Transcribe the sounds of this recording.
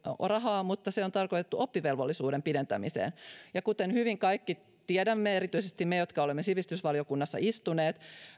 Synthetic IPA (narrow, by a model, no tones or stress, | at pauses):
rɑɦɑːmut̪ːɑseot̪ɑrkot̪et̪ːuopːiʋelʋolːisuːɾempident̪æ̰misḛːnjɑkut̪enhyʋiŋkɑikːi | t̪iedæmːeeɾit̪yisest̪imejot̪kɑolemːesiʋist̪ysʋɑljokunːɑsːɑ̰ist̪uneːt̪